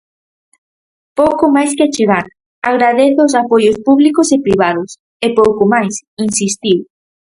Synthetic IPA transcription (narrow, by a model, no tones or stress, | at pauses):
powkʊmajskɪat͡ʃeɣaɾ | aɣɾaðeθʊːs̬apojospuβlikʊsepɾiβ̞aðʊs | epowkomajsinsist̪iw